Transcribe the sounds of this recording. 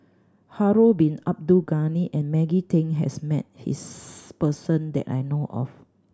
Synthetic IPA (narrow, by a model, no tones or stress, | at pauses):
haɹobĩnap̚duɡaniʔɛ̃nmɛɡitʰẽŋɦɛ̰smɛ̰t̚hḭspəsə̃ndɛ̰ta̰jnoʔɔ̰f